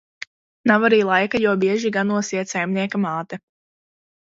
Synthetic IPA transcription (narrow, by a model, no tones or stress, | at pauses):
nawaɾiːlˠajkajabiɛʒiɡanuɔsiɛt̪sajmniɛkamaːt̪ɛ